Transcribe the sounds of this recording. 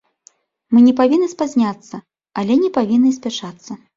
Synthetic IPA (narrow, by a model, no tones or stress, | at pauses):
mɨnʲɛpavʲinːɨspazʲnʲat̪sːɐ | alʲɛnʲɛpavʲinːɨs̬ʲpʲat͡ʂat̪sːɐ